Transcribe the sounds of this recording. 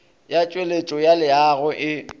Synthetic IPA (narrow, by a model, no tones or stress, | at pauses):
jat͡ʃʼwelet͡ʃʼɔjalɪaɣʊʔɪ